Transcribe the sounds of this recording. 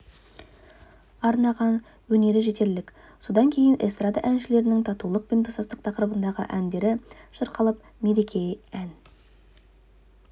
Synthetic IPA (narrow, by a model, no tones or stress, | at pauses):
ɑɾnɑʁɑn | wɵne̞ɾɪʒe̞t̪e̞ɾlɪk | so̞d̪ɑŋkʲʰe̞jɪnʔest̪rad̪aʔænʃɪle̞ɾɪnɪŋt̪ʰɑt̪ulˠəq̚pe̞nt̪ʰosɑst̪əq̚t̪ʰɑqɾəbənd̪ɑʁə̰ʔænd̪e̞ɾɪʃəɾqʰɑlˠəp | me̞ɾekʲʰe̞jæn